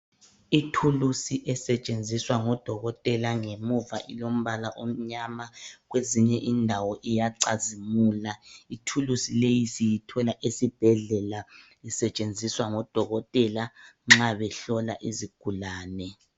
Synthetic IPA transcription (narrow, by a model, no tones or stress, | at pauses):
itʰulusiʔɛsɛt͡ʃʼend͡zʱiswaŋɔd̥ʱɔɣɔtʼɛlaŋemuvaʔilom̩βalaʔom̩ɲamaɣweziɲɛʔindʱawɔʔijaǀazimuːlaitʰulusilejisijitʰɔlaʔesib̥ʱɛɮɛla | isɛt͡ʃʼend͡zʱiswaŋɔd̥ʱɔɣɔtʼɛlaŋ͡ǁaβɛɬɔlaʔiziɡ̥ʱulaːnɛ